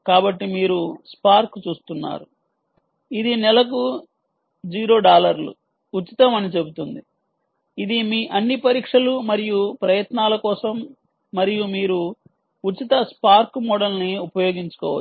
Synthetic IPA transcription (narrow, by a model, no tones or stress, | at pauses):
kaːbɐʈːimiːɾuspaːɾkt͡ʃuːst̪unːa̰ːɾu | id̪inɛlɐk̬u | d͡ʒiːɾo̞ːɖaːlɐɾlṵ | ut͡ʃit̪ɐmɐnit͡ʃe̞but̪und̪i | id̪imiːʔɐnːipɐɾiːkʂɐlumɐɾijupɾɐjɐt̪naːlɐkɔːsɐmː | ɐɾijumiːɾu | ut͡ʃit̪ɐspaːɾkmɔɽɐlniupɐjoːɡiɲt͡ʃu̥kɔːʋɐ